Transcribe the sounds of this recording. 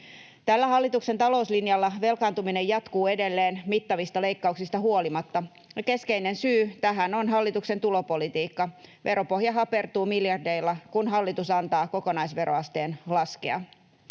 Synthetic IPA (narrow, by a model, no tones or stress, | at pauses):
t̪ælːæhɑlːit̪ukse̞nt̪ɑlo̞uslinjɑlːɑʋe̞lkɑnt̪umine̞jɑt̪kuːe̞delːeːnmit̪ːɑʋist̪ɑle̞ikːɑuksist̪ɑɦuo̞limɑt̪ːɑ | jɑke̞skeine̞nsyːt̪æɦænonɦɑlːit̪ukse̞nt̪ulo̞po̞lit̪iːkːɑʋʔe̞ɾʔo̞po̞hjɑɦɑpe̞rt̪uːmiljɑrde̞ilːɑkunɦɑlːit̪usɑnt̪ɑːko̞ko̞nɑisʋe̞ɾoɑst̪e̞ːnlɑskeɑ̰